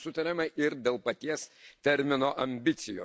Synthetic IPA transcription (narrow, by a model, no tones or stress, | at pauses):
sʊt̪ɐɾʲɪmɐʔɪɾd̪ʲeːlˠpɐt̪ʲiɛst̪ʲɛɾʲmʲɪnoːʔɐmʲbʲɪt̪sʲɪjo̰ː